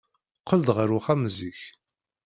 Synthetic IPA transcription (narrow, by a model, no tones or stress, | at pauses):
qːəld̪ʁəɾuχæmziç